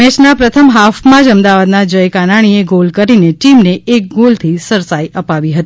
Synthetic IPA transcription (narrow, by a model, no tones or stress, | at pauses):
ɛt͡ʃnapɾət̪ʰəmɦafmãd͡ʒəmd̪aʋad̪nad͡ʒəjkanaɽ̃ieɡolkəɾineʈimneʔek̚ɡolt̪ʰisəɾsajʔəpaʋiɦət̪i